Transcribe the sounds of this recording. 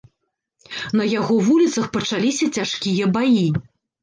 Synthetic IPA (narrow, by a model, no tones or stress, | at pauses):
nɐjaɣɔvulʲit̪sɐxpɐt͡ʂalʲisʲɐt͡sʲaʂkʲijɐbaji